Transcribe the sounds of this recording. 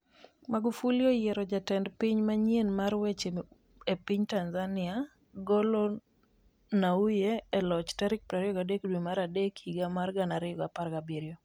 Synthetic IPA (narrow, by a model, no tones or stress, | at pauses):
maɡufuliojɛɾɔd͡ʒatɛndpiɲmaɲienmaɾwet͡ʃe | epiɲtanzanɪa | ɡɔlɔ | naujeːlɔt͡ʃtaɾɪk̚pɾaɾɪɔɡadekdwemaɾadekʰiɡamarɡanaɾɪɔɡapaɾɡabiɾjo